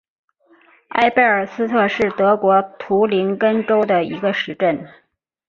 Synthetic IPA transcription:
a̰˥˧ɪpe˥˩ɪə˞˨˩sɹ̩˥t̪ʰɤ˥˧ʂɻ̩˥˩t̪ɤ˧˥kwɔ˧˥t̪ʰu˧˥li˧˥nkə˥nʈ͡ʂo˥ʊd̪ə˨i˧˥ɡə˧ʂɻ̩˧˥ʈ͡ʂə˥˩n

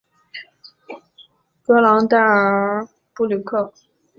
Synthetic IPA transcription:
kɤ˥lɑ˧˥ŋt̪a˥˩ə˧˥ | pu˥˩ly˨˩kʰɤ˥˩

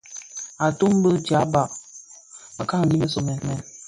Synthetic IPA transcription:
a˨tu˦m˦bə˦d͡ʒa˨˦ba˨ʔ | mə˨ka˦ŋ˨ɡi˦mə˦so˨mɛ˨nmɛ˨n

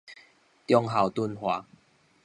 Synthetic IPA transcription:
t̪jɔ˧ŋɦa˨˩wt̪u˧nhwa˨˦

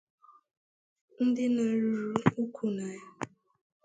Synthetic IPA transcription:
n̩˦dɪ˦na˨ɾu˨ɾu˦u˦kʷʰu˦na˨ja˦

